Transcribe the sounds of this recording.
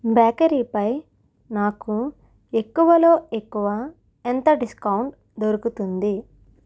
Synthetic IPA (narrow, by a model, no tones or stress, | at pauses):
baːkɐɾiːpɐj | naːku | e̞kːuʋɐlo̞ːe̞kːuʋɐ | ent̪ɐɖiskɐwɳʈ | d̪oɾukut̪und̪i